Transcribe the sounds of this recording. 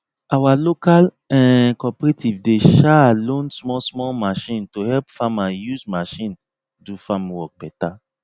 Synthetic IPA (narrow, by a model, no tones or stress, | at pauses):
awalokal | ɛ̃kɔpɹetivdeʃaalõnsmɔsmɔlmaʃĩntohɛlpfamãnjuzmaʃĩn | dufamwɔk̚bɛta